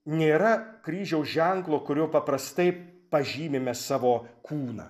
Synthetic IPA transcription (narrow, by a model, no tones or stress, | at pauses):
nʲeːɾɐkɾʲiːʒʲɛʊʒʲɛŋklˠoːkʊɾʲoːpɐpɾɐst̪ɐɪpɐʒʲiːmʲemʲɛssɑːʋoːkʰuːnɐ̰ː